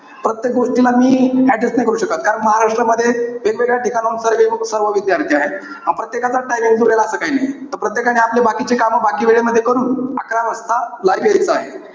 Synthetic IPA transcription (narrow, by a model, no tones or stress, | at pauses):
pɾət̪jek̚ɡoʂʈilamiːæɖesnajkəɾuːɕəkat̪̚kaɾəɳməɦaɾaʂʈɾəməd̪ʱːjeʋelʋeɽjaʈikanənsəɾʋesəɾʋəʋid̪jaɾt̪ʰiaɦe | ãpɾət̪jekat͡saʈajmiŋɡd͡zuɭelaːsəːkaɦinajt̪əɾpɾət̪jekañiaplebakit͡ɕekaməbakiːʋeɭeməd̪ʱːjekəɾuːna̰kɾaɾəst̪alajʋeɾit͡səaɦe